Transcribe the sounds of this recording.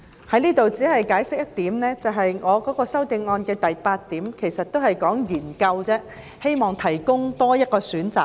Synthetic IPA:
hɐ˨˥jniː˥t̪o˨wt͡si˨˥hɐ˨jkaː˨˥jsɪ˥k̚jɐ˥t̚t̪iː˨˥mnɛː˥t͡sɐ˨wɦɐ˨jŋɔː˨˧kɔː˨˥kɔː˧sɐ˥wt̪ɪ˧ŋɔː˧nkɛː˧t̪ɐ˨jpaː˧t̚t̪iː˨˥mkʰe˨˩jsɐ˨t̚t̪o˥whɐ˨jkɔː˨˥ŋjiː˨˩nkɐ˧wt͡sɛː˥ | he˥jmɔː˨˩ŋt̪ʰɐ˨˩jkʊ˥ŋt̪ɔː˥jɐ˥t̚kɔː˧syː˨˥nt͡saː˨k̚

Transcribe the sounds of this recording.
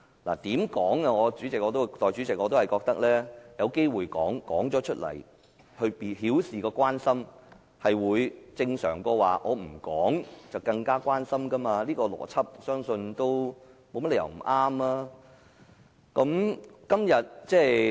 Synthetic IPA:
la̰ː˨˩t̪iː˨˥mkɔː˨˥ŋɐ˧ŋɔː˨˧t͡ʃyː˨˥t͡sɪ˨k̚ŋɔː˨˧t̪o˥˨t̪ɔː˨jt͡ʃy˨˥t͡sɪ˨k̚ŋɔː˨˧t̪o˥whɐ˨jkɔː˧k̚t̪ɐ˥k̚lɛː˥jɐ˨˧wke˥jwuː˨˧jkɔː˨˥ŋkɔː˨˥ŋt͡sɔː˨˥t͡ʃʰɵ˥t̚lɐ̰˨˩j | hɵ˧pi˨hiː˨˥wsiː˨kɔː˧kʷaː˥nsɐ˥m | hɐ˨jwuː˨˧jt͡sɪ˧ŋsœ̰ː˨˩ŋkɔː˧wa̰ː˨ʔɔː˨˧m̩˨˩kɔː˨˥ŋt͡sɐ˨˩wkɐ˧ŋkaː˥kʷwaː˥nsɐ˥mkɐ˥maː˧liː˥kɔː˧lɔ̰ː˨˩t͡sʰɐ˥p̚sœː˥ŋsɵ˧nt̪o˥wmo˨˧wmɐ˥t̚jɐ̰˨˩wm̩˨˩ʔaː˥mlaː˥ | kɐ˨˥mkɐ˥mjɐ˨t̚t͡sɛː˥

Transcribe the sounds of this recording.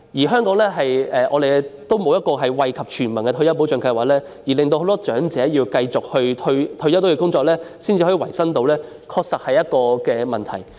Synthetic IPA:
jiː˨˩ɦœː˥ŋkɔː˨˥ŋlɛː˥ɦɐ˨jɛː˨ʔɔ̰ː˨˧d̪e˨t̪o˥wmo˨˧wjɐ˥t̚kɔː˧ɦɐ˨jwɐ˨jkʰɐ˨p̚t͡ʃʰyː˨˩nmɐ˨˩nkɛː˧jɐ˥wpo˨˥wt͡ʃœː˨˧˥ŋkɐ˧jwaː˨k̚lɛː˥ | jiː˨˩lɪ˨ŋt̪o˧who˨˥wt̪ɔː˥t͡ʃœː˨˥ŋt͡sɛː˨˥jiː˧wkɐ˧jt͡sʊ˨k̚hɵ˧ɵ˧ɥt̪ʰɵ˧jɐ˥wt̪ːjiː˧˥kʊ˥ŋt͡sɔː˧k̚lɛː˥siː˥nt͡siː˨˧ɦɔ˨˥i˨˧wɐ˨˩jsɐ˥ŋt̪o˧wlɛː˥ | kʰɔː˧k̚sɐ˨˩hɐ˨jɐ˥t̚kɔː˧kɛː˧mɐ˨nt̪ʰɐ̰˨˩j

